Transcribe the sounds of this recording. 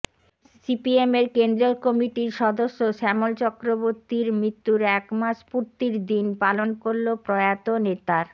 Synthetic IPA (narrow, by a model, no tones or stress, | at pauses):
sipiemeɾkend̪ɾokɔmiʈiɾʃɔd̪oʃːoʃɛmolt͡ɕɔkɾoboɾt̪iɾmɾit̪ːuɾɛkmaʃpuɾt̪iɾd̪inpalonkoɾlopɾɔeat̪onet̪aɾ